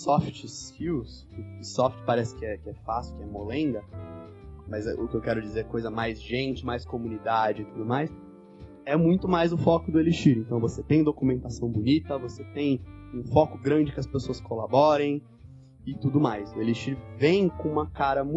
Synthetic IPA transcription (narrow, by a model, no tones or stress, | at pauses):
sɔft͡ʃɪkiws | ɪɪsɔft͡ʃɪ̥paɾɛsɪ̥kɪɛkɪɛfasjʊkɪɛmolẽnd̪ɐ | mɐz̰ʊ̰kɪewkɛɾʊd͡ʒizeɾkojzɐmajzʒẽnt͡ʃɪmajskomunid̪ad͡ʒɪt̪ud̪ʊmajs | ɛmũj̃t̪ʊmajzʊfɔkʊd̪ʊeliʃiɾẽnt̪ɐ̃w̃voset̪ẽj̃d̪okumẽnt̪asɐ̃w̃bʊnit̪ɐvoset̪ẽj̃ũfɔkʊɡɾɐ̃nd͡ʒɪkɪɐspesoɐskolabɔɾẽj̃ | ɪt̪ud̪ʊmajsʊeliʃiɾvẽj̃kõũmɐkaɾɐmũ